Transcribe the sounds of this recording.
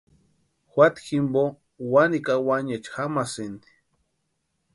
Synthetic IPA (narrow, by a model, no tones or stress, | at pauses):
xwʷat̪ximbo | wanikawaɲet͡ʃxamasind̪i̥